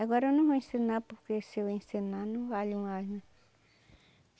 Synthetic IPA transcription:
aɡɔɾɐnũvoẽsenapoɾkesewẽsenanũvaʎũmaznã

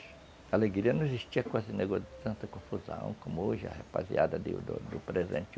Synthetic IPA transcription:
aleɡɾiɐnɐ̃w̃eziʃt͡ʃiɐkwazɪneɡot̪ɐ̃nt̪ɐkõfuzɐ̰̃w̃kõmʊoʒɐ̰hepa̰zia̰d̪ɐd̪ɪ̰d̪d̪ʊpɾezḛ̃nt͡ʃ̪ɪ

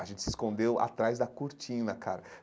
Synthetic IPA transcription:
ɐʒẽnt͡ʃɪ̥sɪiskõnd̪ewa̰t̪ɾajzd̪ɐkuɾt͡ʃĩnɐkʰaɾɐ

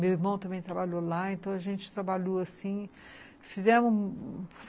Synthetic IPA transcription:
mewiɾmɐ̃w̃t̪ɐ̃bẽj̃t̪ɾabaʎolaẽnt̪ɐ̃w̃ɐʒẽnt͡ʃɪ̥t̪ɾabaʎoasĩ | fizɛ̃mʊ

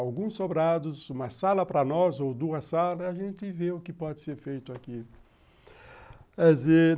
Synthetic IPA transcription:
awɡũsobɾad̪ʊzũmɐsalɐpɾɐnɔzowd̪uɐsalɐiaʒẽnt̪ɪveʊkɪpɔd͡ʒɪseɾfejt̪ʊaki | ɛze

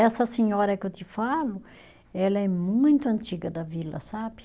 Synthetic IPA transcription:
ɛsɐseɲɔɾɐkɪewt̪ɪfalʊ | ɛlɐɛmũj̃t̪ʊɐ̃nt͡ʃiɡɐd̪ɐvilɐ̰sabɪ

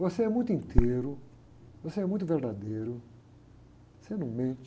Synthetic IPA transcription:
voseɛmũj̃t̪̬ʊĩnt̪ʰeɾʊ | voseɛmũj̃t̪ʊveɾd̪ad̪ejɾʊ | osenũmẽt͡ʃ

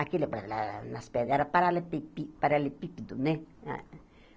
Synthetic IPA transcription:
akilepɾala̰nãsped̪aɾapaɾalepipipaɾalepipid̪unẽa̰

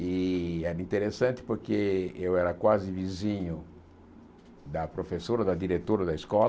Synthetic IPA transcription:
iɛɾɐĩnt̪eɾesɐ̃nt̪ɪ̥poɾkeewɛɾɐkwazɪvizĩɲʊ | d̪ɐpɾofesoɾɐd̪ɐd̪iɾet̪oɾɐd̪ɐiskɔl

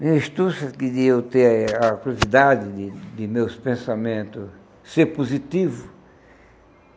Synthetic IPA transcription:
mĩiʃt̪usɐkɪd̪ɪewt̪eɐkuɾjozid̪ad͡ʒ̪ɪd̪ɪd̪ɪmewspẽsamẽnt̪ʊ | seɾpozit̪ivʊ

